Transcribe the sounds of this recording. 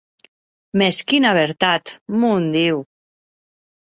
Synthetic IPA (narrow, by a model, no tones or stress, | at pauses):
meskinaβ̞eɾt̪at̪mund̪iw